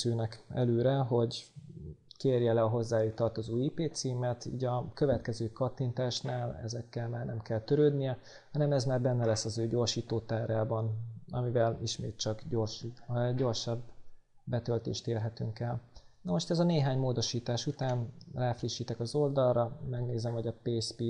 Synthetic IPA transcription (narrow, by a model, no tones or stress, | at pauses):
øːnɛkɛ̰løːɾɛɦo̞ɟ | keːrjɛlɛɒɦo̞zːaːjut̪ɒrt̪ozuːiːpeːt̪siːmɛt̪ḭːɟɒkø̞vɛt̪kɛzøːkɒt̪ːint̪aːʃnaːlɛ̰zɛkːɛlmaːrnɛmkɛlt̪ø̞ɾøːd̪nijɛ | hɒnɛmɛzmaːrbɛnːɛlɛsːɒzøːɟo̞ːrʃiːt̪oːt̪aːraːbɒnɒ̰mivɛliʃmḛːt̪̚t͡ʃɒɡɟorʃɟo̞rʃɒbː | ɛt̪ø̞lt̪ḛːʃt̪eːrɦɛt̪yŋkɛlnɒmo̞ʃt̪ɛzɒneːɦaːɲmoːd̪o̞ʃiːt̪aːʃut̪aːnraːfriʃːiːt̪ɛkɒzo̞ld̪ɒlrɒmɛɡneːzɛmho̞ɟɒpeːspi